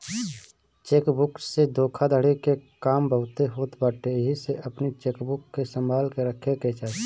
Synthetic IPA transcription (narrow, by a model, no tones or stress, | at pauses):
t͡ʃeːkbʊksed̪oːkʰad̪ʱəɽekekaːmbəʊt̪eɦoːt̪baːʈeɦiseʔəpnit͡ʃeːkbʊkːesəmbʱaːlkeɾəkʰeket͡ʃaː